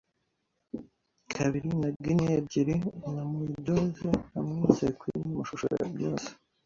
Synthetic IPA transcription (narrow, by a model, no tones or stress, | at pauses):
kʰaβiɾinaɡinebɟiɾinamiidozeamŋisekwiinumuʃuʃo̰ɾḛbɟoːse̥